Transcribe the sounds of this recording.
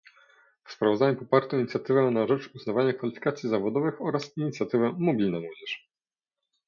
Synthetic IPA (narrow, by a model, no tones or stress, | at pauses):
fspɾavɔzd̪aɲupɔpaɾt̪ɔ̃iɲit̪sʲat̪ɘvɛnaʐɛt͡ʂuznavaɲakfalʲifʲi̥kat̪sʲjizavɔd̪ɔvɘxɔɾasiɲit̪sʲjat̪ɘvɛmɔbʲilnɛmwɔd͡ʑɛʂ